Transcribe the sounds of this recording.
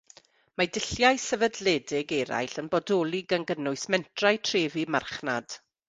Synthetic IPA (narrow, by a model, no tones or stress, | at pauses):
madɪɬjajsəvədlɛːdɪɡɛɾa̰jɬənbɔdoːlˠɪɡanɡənʊɨsmɛntʰrajtʰreːvimarχna̰d̥